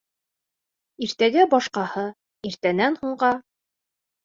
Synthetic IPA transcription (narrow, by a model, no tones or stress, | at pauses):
iɾt̪æɡæbɒʃqɑhɤ | iɾt̪ænænhuɴɢɑ